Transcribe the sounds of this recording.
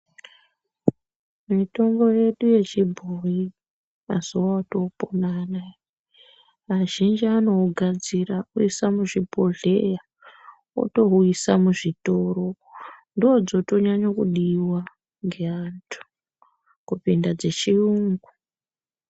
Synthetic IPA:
mito̞ŋɡo̞je̞ɗuje̞t͡ʃibʱoji | maz̥uwato̞ponana | maʒind͡ʒiano̞ɡʱad͡zirauisamuʐibʱo̞ɮe̞ja | o̰to̞ɦuisamuʐitoɾo̞ | ndiod͡zo̞to̞ɲaɲokuɗiwa | ŋɡe̞antʰu̥ | kupindad͡ze̞t͡ʃiuŋɡu

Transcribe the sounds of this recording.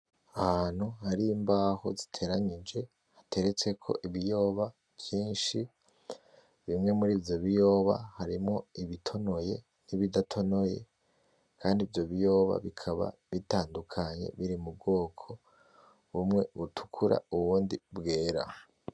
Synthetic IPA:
ahan̥huhaɾimbaho̞̰zitʰe̞ːɾaɲid͡ʒe̞ | hatʰe̞ɾe̞t͡se̞kʰo̞̰ʔiβijo̞ːβa | kjiːnʃi | βimŋe̞muɾiːvjoβijo̞ːβa̰haɾimŋo̞iβitʰo̞no̞je̞ | niβidatʰo̞no̞je̞̰ | kʰaːndivjo̞βijo̞ːβa̰βikʰaβa̰βitaːndukʰaɲe̞̰βiɾimub̚ɡo̞ːkʰo̞ | βumŋe̞βutʰu̥kʰuɾa̰uβuːndibɡeːɾa̰

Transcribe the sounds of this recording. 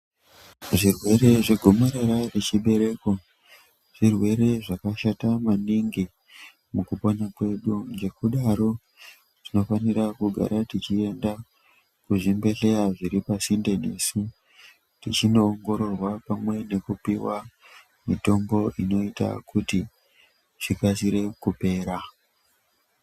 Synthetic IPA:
ʐirwe̞ɾe̞ʐeɡʱo̞moɾeɾaret͡ʃiɓe̞ɾe̞ko | ʐ̥irwe̞ɾe̞ʐakaʃatamaniŋɡi | mukupo̞nakwe̞ɗud͡ʒe̞kuɗaɾo̞ | ʐ̥ino̞faniɾakuɡʱa̰ɾatit͡ʃie̞nda | kuʐimbe̞ɬe̞jaʐiɾipasinde̞nesu | tit͡ʃino̞ːŋɡo̞ɾo̞rwapamwe̞ne̞kupiwa | mito̞mbo̞ʔino̞ita̰kʰuti | ʐ̥ikasiɾe̞kupe̞ːɾa

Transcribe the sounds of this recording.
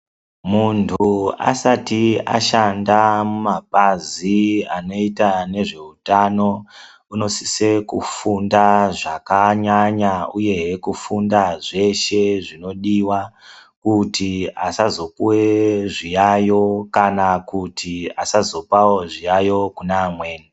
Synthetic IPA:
muntʰua̰satia̰ʃandamumapaziano̞itane̞ʐe̞utano̞ | uno̞si̥se̞kufundaʐakaɲaɲauje̞kufundaʐe̞ʃe̞ʐino̞ɗiwa | kutiasazo̞kuweʐijajo̞kanakutiasazo̞pawo̞ʐijajo̞kunaːmweːni

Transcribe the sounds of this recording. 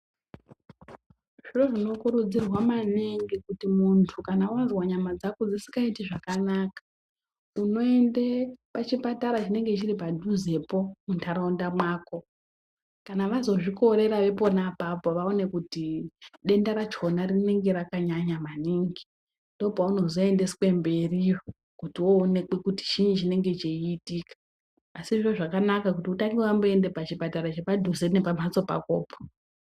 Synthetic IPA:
ʐ̥iroʐino̞kuɾud͡zirwamaniŋɡikutimuntʰukanawazwaɲamad͡zakud͡zisi̥kaitiʐakanaːkḁ | uno̞endepat͡ʃipataɾat͡ʃine̞ŋɡet͡ʃiɾipadʱuze̞po̞muntʰaɾaundamwaːko̞ | kanaʋazo̞ʐiko̞ɾe̞ɾaʋe̞po̞napapo̞ʋaone̞kutiɗe̞ndaɾat͡ʃo̞narine̞ŋɡe̞ɾakaɲaɲamaniːŋɡi | ndo̞bʱauno̞zo̞e̞nde̞swe̞mbe̞rio | kutiwoːnekekuti̥t͡ʃiɲit͡ʃine̞ŋɡe̞t͡ʃeiːtiːkḁː | siʐoʐakanakakutiutaŋɡiwamboe̞ndepat͡ʃipataɾat͡ʃepadʱuzene̞pamat͡so̞pa̰koːpo̥

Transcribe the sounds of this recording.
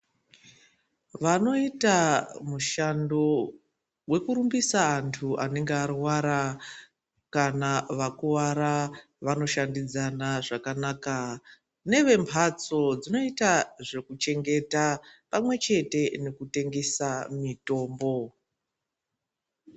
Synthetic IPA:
ʋano̞itamuʃando̞ | we̞kuɾumbisaːntʰuane̞ŋɡearwaɾa | kanaʋakuwaɾa | ʋano̞ʃandid͡zanaʐakanaːka | ne̞ʋe̞mpʰat͡so̞d͡zino̞itaʐe̞kut͡ʃe̞ŋɡe̞tapamwe̞t͡ʃe̞te̞ne̞kute̞ŋɡe̞samito̞ːmbo̞

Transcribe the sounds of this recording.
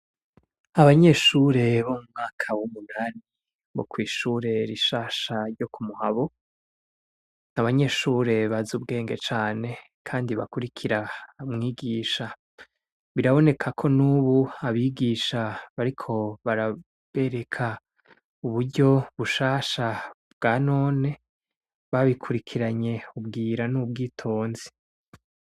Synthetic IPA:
aβaɲe̞ʃuɾe̞βomumŋaːkʰawumunaːni | βo̰kwiːʃuɾe̞ɾiʃaːʃaɾɟo̞kumuhaβo | naβaɲe̞ʃuːɾe̞βazub̚ɡe̞ːŋɡe̞t͡ʃaːne̞ | kʰaːndiβa̰kuɾikʰiɾamŋiːɡiːʃa | βiɾaβo̞ne̞kʰakʰo̞nuːβuaβiːɡiːʃaβaɾikʰo̞βaɾa | βe̞ɾe̞kʰa | uβuɾɟo̞βuʃaːʃabɡ̥aːno̞ːne̞ | βaβikʰuɾikʰiɾaɲe̞ubɡiːɾanuːbɡiːtʰo̞ːnzi̥

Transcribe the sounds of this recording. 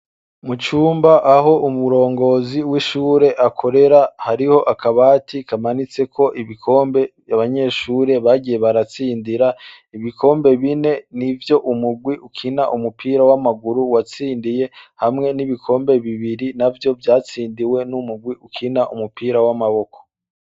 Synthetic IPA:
mut͡ʃuːmbaʔːɦo̞ʔumuɾo̞ːŋɡo̞ːziwiʃuːɾe̞ʔakʰo̞ɾe̞ɾahaɾiho̞ʔakaβaːtʰikamanit͡se̞kʰo̞ʔiβikʰo̞ːmbe̞ | jaβaɲe̞ːʃuːɾe̞βaɡije̞βaɾat͡siːndiɾa | iβikʰo̞ːmbe̞βine̞nivjo̞ʔumuɡwiukʰinaʔumupʰiːɾawamaɡuɾuwat͡siːndije̞hamŋe̞niβikʰo̞ːmbe̞βiβiɾinavjo̞vjaːt͡siːndiwe̞numuɡwiʔukʰinaʔumupiːɾawamaβo̞kʰo̥

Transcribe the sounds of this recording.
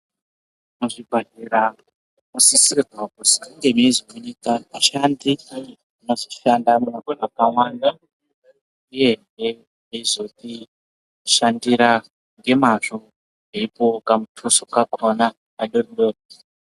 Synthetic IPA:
muʐibʱaɦiɾa | musisirakusi̥kaŋɡemiezimoɲikamaʃandi | inoziʃandamunakonakaŋwanda | uje̞ŋɡe | izo̞ti | ʃandiɾa | ŋɡe̞maʐo | ɦeipokamutʰusokakʰonaː | ɗorɗoːra

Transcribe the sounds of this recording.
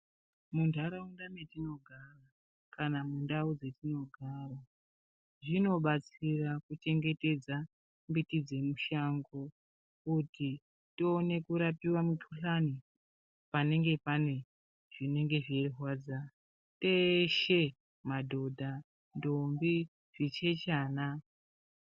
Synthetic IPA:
mundʱaɾaundametino̞ɡʱara | kanamundaud͡ze̞tino̞ɡʱara | ʐino̞ɓat͡sirakut͡ʃe̞ŋɡe̞te̞d͡za | mbitid͡ze̞muʃaŋɡo | kuti | toːne̞kuɾapiwamutʰuɬani | pane̞ŋɡe̞pane̞ | ʐ̥ine̞ŋɡe̞ʐieriɦwaːd͡za | teʃe | madʱo̞dʱa | ndombi | ʐ̥it͡ʃe̞t͡ʃaːna

